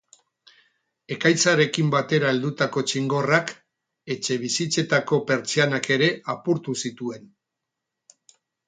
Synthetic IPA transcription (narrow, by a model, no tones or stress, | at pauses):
e̞kajt͡saɾe̞kimbat̪e̞ɾae̞ld̪ut̪ako̞t͡ʃiŋɡo̞rak | e̞t͡ʃe̞β̞isit͡se̞t̪ako̞pe̞ɾt͡sianake̞ɾe̞apuɾt̪usit̪ue̞n